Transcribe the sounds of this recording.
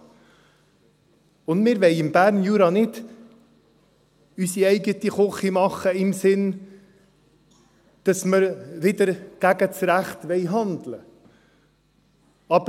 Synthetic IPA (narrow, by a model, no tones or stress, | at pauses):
ʊndmɪɾʋɛɪɪmbæːɾnjuːɾɑnɪd̥ | ysiɛɪɡətiχɔχimɑχəɪmsɪn | d̥ɑsməɾʋɪd̪əɾɡ̥æɡət͡sɾæχt̪ʋɛɪɦɑnd̪lə | ɑbə